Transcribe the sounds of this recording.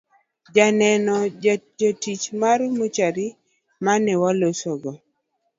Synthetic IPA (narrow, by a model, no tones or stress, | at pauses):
d͡ʒanɛnɔd͡ʒad͡ʒotit͡ʃmarmot͡ʃaɾi | manɛwɔlosoɡɔ